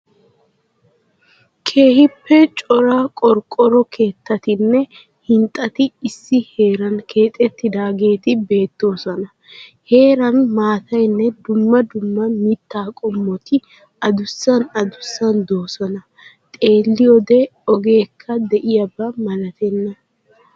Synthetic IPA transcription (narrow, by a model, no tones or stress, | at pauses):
kʰeːhɪpːɛt͡ʃʼɔɾɐkʼɔɾkʼɔɾɔkʰeːt̪ːɐt̪ɪnːɛ | hɪnt̪ʼɐt̪ɪɪsːɪhe̞ːɾɐnkʰe̞ːt̪ʼɛt̪ːɪd̪aːɡe̞ːt̪ɪbe̞ːt̪ːo̞ːsɔnɐ | he̞ːɾɐnmaːt̪ɐjnːɛd̪ʊmːɐd̪ʊmːɐmɪt̪ːaːkʼɔmːɔt̪ɪ | ɐd̪ʊsːɐnɐd̪ʊsːɐnd̪o̞ːsɔnɐ | t̪ʼe̞ːlːɪjɔd̪ɛɔɡe̞ːkʰːɐd̪ɛʔɪjɐbɐmɐlɐt̪ɛnːɐ